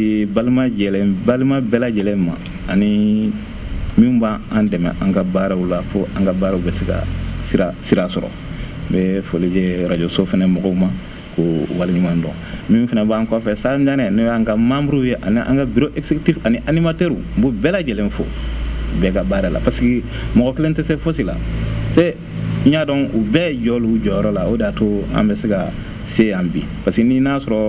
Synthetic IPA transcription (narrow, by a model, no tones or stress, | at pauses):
balimad͡ʒɛlẽbalimabɛlad͡ʒɛlẽmã̰ː | ni | mĩbaãndɛmɛ̰̃ʔãŋkabaːɾaulafoãŋkabaːɾaubɛseka̰siɾasiɾasɔɾɔ̰ | bɛfolid͡ʒeɾad͡ʒosofɛnɛmɔɡɔuma | kowaliɲumãndɔ̰̃ | mĩfɛnɛbãːŋkɔfɛsamɲanɛ̃nebãŋkamãmuɾijeʔa̰niʔã̰ŋkabiɾoʔɛksekitifaniʔanimateɾububɛlad͡ʒɛlẽfo̰bɛːkabaːɾala̰paske | mɔɡɔkelẽntesefosila̰tẽ | ɲadɔ̃ubɛːd͡ʒɔlud͡ʒɔjɔɾɔlaodatoã̰mbɛseka | seãbḭ̃paskenĩnasɔɾɔ